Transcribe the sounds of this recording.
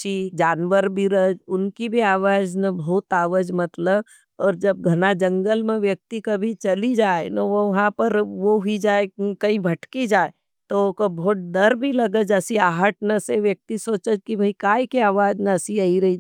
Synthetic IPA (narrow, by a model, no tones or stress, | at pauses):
t͡ʃid͡ʒaːnʋəɾbʱiɾɐd͡ʒʊnkibʱiaːʋaːd͡ʒnabʱɔːt̪aːʋəd͡ʒmɐt̪ləb | ɔːɾd͡ʒɐb̚ɡʱɐnad͡ʒə̃ŋɡəlmẽʋjək̚t̪ikɐbʱit͡ʃɐlid͡ʒaːenɐʋɐɦãpɐɾʋoɦid͡ʒaːekɐĩbʱɐʈkid͡ʒaːe | t̪okbʱoːʈ̚d̪ɐɾbʱilɐɡəd͡ʒɐsiaːɦəʈnɐseʋjək̚t̪isoːt͡ʃəd͡ʒkibʱɐikaːikeaːʋaːd͡ʒnaɐsiaiɾɐɦi